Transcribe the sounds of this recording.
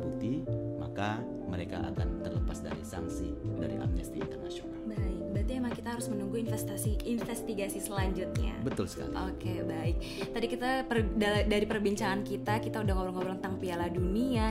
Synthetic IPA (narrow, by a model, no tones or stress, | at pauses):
but̪ima̰ka | məɾeka̰ʔa̰kant̪ərləpasda̰ɾisa̰ŋsḭda̰ɾḭʔa̰mnɛst̪iḭnt̪ərnasionalbaɪk̚bat̪iemaŋkit̪aɦaɾʊsmənuŋɡuinfɛst̪asiːnfɛst̪iɡasisəlaɲd͡ʒʊt̪̚ɲa̰bət̪ʊlsə̥ka̰liokkebaɪk̚ | t̪adikit̪apərdadaɾipərbiɲt͡ʃaŋankit̪akit̪audaŋoɾaŋoɾaŋt̪aŋpialadunia